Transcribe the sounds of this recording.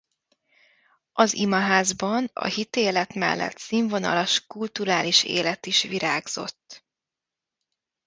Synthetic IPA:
ʔɒzimɒɦaːzbɒnɒ̰hit̪eːlɛt̪mɛ̰lːɛ̰t̪siːɱvo̞nɒ̰lɒʃkult̪uɾaːliʃḛːlɛt̪iʃʋiɾaːɡz̥o̞̰t̪ː

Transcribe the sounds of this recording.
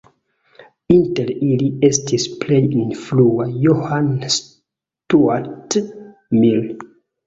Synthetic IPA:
inteliliestʰisplejinfluajohans | tuat | mil

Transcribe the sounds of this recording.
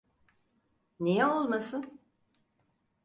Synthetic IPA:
nijɛolˠmasɯn

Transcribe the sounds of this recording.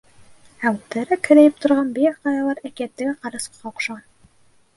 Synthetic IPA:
æwt̪ːæ̆ɾækhɘ̆ɾæjɘp̚t̪ŏɾʁɑnbiɾqɑjɑlˠɑɾækiæt̪ːɘɡqɑɾɤso̥qqːɑuqʃɑʁɑn

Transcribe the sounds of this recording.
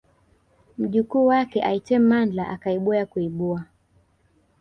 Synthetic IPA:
m̩ʄikuːwakɛʔaitɛm̩mand͡ɮaʔakaiɓuakuiɓua

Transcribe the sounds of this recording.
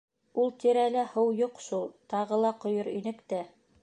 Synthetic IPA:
ulˠt̪iɾælæhɤwjuqʃulˠt̪ɑʁɤlˠɑqŏjɤɾinɘ̆kt̪æ

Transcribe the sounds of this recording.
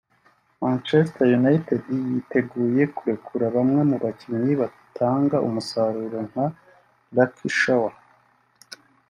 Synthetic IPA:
mãnt͡ʃestajunaitedijite̞ɡuːje̞kuɾe̞kʰuɾaβamŋe̞muβaciɲiβa | tʰaːŋɡaʔṵmusaɾuːɾo̞ŋ̥ha | lakʰiʃawa

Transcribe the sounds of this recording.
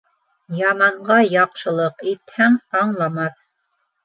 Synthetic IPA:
jɑmɑɴɢɑjɑqʃɤ̆lˠɤqit̪hæŋɑɴlˠɑmɑθ

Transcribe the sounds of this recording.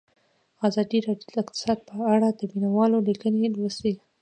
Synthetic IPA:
ɑzɑd̪iɾɑɖjod̪əɪkt̪ɪ̥sɑd̪̚pəaɽad̪əminawɑlolikənelwəsi

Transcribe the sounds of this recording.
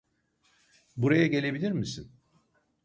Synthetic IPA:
buɾajaɟe̞lʲe̞bilʲiɾmisin

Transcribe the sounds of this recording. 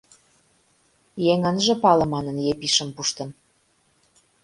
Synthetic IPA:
jeŋənʒĕpɑlɤ̆mɑnə̆njepiʃə̆mpuʃt̪ɤ̆n

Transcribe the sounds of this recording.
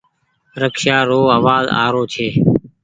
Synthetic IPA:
ɾəkʃaːɾoːaːʋaːza̰ːɾoːt͡ʃʰeː

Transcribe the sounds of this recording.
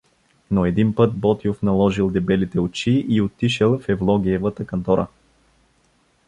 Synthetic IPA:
noɛd̪inpɤt̪̚bɔt̪iofnɐlˠɔʒilˠd̪ɛbɛlit̪ɛot͡ʃiʔiot̪ːiʃɛlˠfɛvlˠɔɡiɛvət̪əkɐnt̪ɔɾə̰

